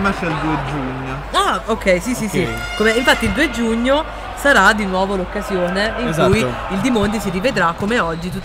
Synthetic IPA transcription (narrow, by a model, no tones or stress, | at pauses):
mat͡ʃɛld̪uːed͡ʒuɲːo | aokːɛjsisisi | komeiɱfat̪ːiːld̪uːed͡ʒuɲːo | saɾad̪ːinwɔːvolokːazjoːneiŋkzauj | ild̪imont̪̬isiɾived̪ɾakːomeɔd͡ʒːit̪ut̪ː